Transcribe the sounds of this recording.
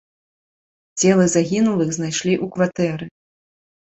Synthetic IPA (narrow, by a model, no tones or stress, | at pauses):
d͡zʲɛlˠɨzaɣʲinulˠɨxznajʂlʲiʔukvat̪ɛɾɨ